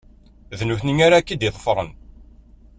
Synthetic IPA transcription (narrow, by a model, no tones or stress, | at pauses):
ðnuθniŋaɾakːid̪iðˤə̥fəɾˤə̰n